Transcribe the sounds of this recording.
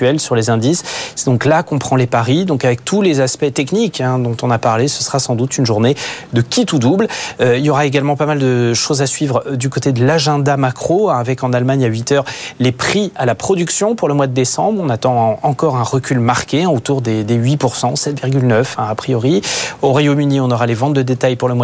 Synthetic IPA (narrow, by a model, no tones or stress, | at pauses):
ɛlsyʁlezɛ̃d̪isːɛd̪ɔ̃klakɔ̃pχɑ̃lepaʁid̪ɔ̃kavɛk̚t̪ʰulezaspɛt̪ɛknikɛ̃d̪ɔ̃t̪ɔ̃napaʁlesəsəʁasɑ̃d̪ut̪ynʒuʁned̪əkʲit̪ud̪ubløiljɔʁaeɡalmɑ̃pamald̪əʃozasɥivʁd̪ykot̪ed̪əlaʒɛ̃d̪amakχoavɛkɑ̃nalmaɲaɥit̪œːʁlepχialapχɔd̪yksjɔ̃puʁləmwad̪əd̪esɑ̃bʁɔ̃nat̪ɑ̃ɑ̃kɔʁɛ̃ʁəkʲylmaʁkʲeɛ̃ot̪uʁd̪ed̪eɥipuʁsɑ̃sɛt̪viʁɡʲylnœfɛ̃apχijɔʁioʁwajomyniɔ̃nɔʁalevɑ̃t̪̚d̪əd̪et̪ajpuʁləmwa